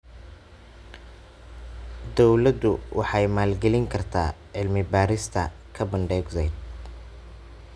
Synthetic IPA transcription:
d̪ɔwlɐd̪ʊwʔɑ̰ħɑjmaːlɡɛlɪŋkʰɐrt̪ʰa̰ː | ʕɪlmɪbaːɾɪst̪ʰɐ̰ | kʰɐbɐnɖɛːɡzɛjd̪

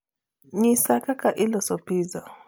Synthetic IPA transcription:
ɲisakakaʔilɔsɔpiza

